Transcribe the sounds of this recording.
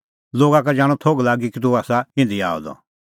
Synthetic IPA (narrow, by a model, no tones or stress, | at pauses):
loːɡakad͡ʒaːɽ̃ɔt̪ʰoɡlaːɡikit̪̬uaːsaɪ̃nd̪ia̰ːɔ̰d̪ɔ̰